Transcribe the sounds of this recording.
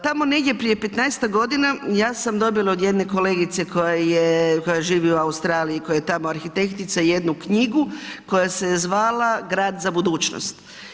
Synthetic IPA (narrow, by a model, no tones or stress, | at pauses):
t̪amo̞ne̞ɡdʲje̞pɾije̞pe̞t̪naest̪aɡo̞d̪inajaːsamd̪o̞bilˠao̞d̪je̞d̪ne̞ko̞le̞ːɡit̪se̞ko̞jajeko̞jaʒiːʋiuaust̪ɾaːliiko̞jajet̪amoaɾxit̪e̞kt̪it̪saije̞d̪nukɲiɡuko̞jasezʋaːlaɡɾaːd̪zabud̪uːt͡ʃno̰st̪